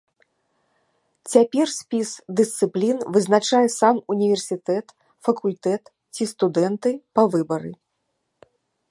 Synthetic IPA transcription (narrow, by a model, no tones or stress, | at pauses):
t͡sʲapʲɛrsʲpʲisd̪ɨst̪sɨplʲinvɨznat͡ʂajɛsamunʲivʲɛrsʲit̪ɛt̪ | fɐkulʲt̪ɛt̪ | t͡sʲist̪ud̪ɛnt̪ɨpɐvɨbɐɾɨ̰